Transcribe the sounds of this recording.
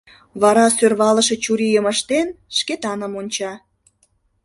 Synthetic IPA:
βɑɾɑsørβɑləʃe̽t͡ɕuɾijəməʃt̪enʃket̪ɑnə̆monʲt͡ɕɑ

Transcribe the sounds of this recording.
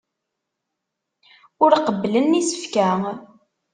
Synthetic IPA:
ʊɾqəbːlənːisə̥fkæ

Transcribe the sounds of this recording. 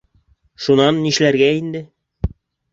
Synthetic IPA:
ʃunɑnːiʃlæɾɡæind̪ɘ

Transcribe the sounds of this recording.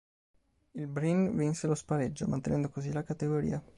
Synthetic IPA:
ilbɾinvinselospaɾed͡ʒːomant̪enɛnd̪okozilakat̪eɡoɾḭːa

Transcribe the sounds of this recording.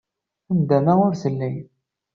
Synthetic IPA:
θəmd̪æmæʊɾθəlːæj

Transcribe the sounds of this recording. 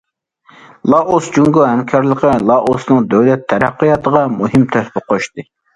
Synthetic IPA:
lˠɑʔosd͡ʒuŋɡoɦɛmkʲʰɑɾlˠəqʰəlˠɑʔosnɨŋd̪øwlɛt̪ʰːɛɾɛqːəjɑt̪ʰəʁɑmuhɪmt̪ʰøhpɪqʰoʃt̪ɨ

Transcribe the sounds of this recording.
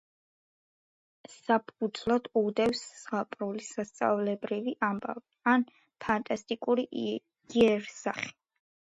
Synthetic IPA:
sapʰud̪zlˠad̪̥ud̪ɛfsːʁapʼɾulisast̪sʼa̰vlɛbɾiviʔamba̰vian | pʰant̪ʼast̪ʼikʼuɾi | iɛɾsaχi̥

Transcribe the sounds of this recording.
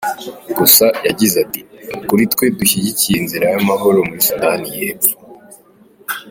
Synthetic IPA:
ɡusajaɟizatinukuɾitwe̞duçiɟicijinziɾajamaɦo̞ɾo̞muɾisudanijeːbu̥

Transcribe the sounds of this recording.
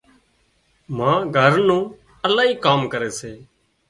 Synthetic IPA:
mãːɡʱəɾnũː | əlaːɦiːkaːmkəɾeːseː

